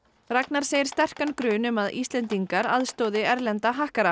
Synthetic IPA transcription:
raknaɾ̥seːjɪɾ̥st̪ɛr̥kankɾʏːnʏmaðḭst̪lɛnt̪iŋkaɾaðst̪owðɪɛɾlɛnt̪aɦahkaɾa

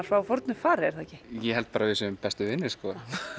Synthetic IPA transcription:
aɾ̥svaːwfɔɾt̪nʏfaːɾɪɛɾ̥θaɛcɪjɛɦɛlt̪̚paːɾavɪsʏmpɛst̪ʏvɪnːɪskɔɾ

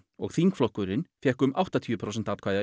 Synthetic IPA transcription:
ɔɣθiŋkflɔhkʏɾɪnfjɛhkʏmawht̪at̪ʰjʏpʰɾows̬ɛn̥t̪aːt̪kʰvaːjða

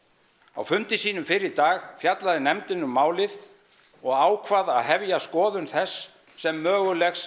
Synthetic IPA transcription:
a̰wfʏnt̪ɪsiːnʏmfɪɾɪɾt̪aːɣfjat̪laðɪnɛmt̪ɪnʏmːaːwlɪð | ɔɣaːwkʰvaðaðɦɛvjaskɔːðʏnθɛsː | ɛmːœːɣʏlɛxs

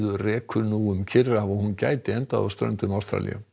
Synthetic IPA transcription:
ðʏrɛːkʰʏɾnuːʏmcʰɪɾaavɔhunca̰ːjt̪ɪɛnt̪aða̰st̪ɾœ̰nt̪ʏmawst̪ɾa̰lḭʏ̰

